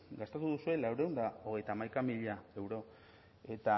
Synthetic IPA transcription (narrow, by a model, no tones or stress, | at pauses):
ɡast̪at̪uðusue̞lawɾe̞und̪ao̞ɣ̞e̞jt̪aːmajkamiʎae̞wɾo̞ | e̞t̪a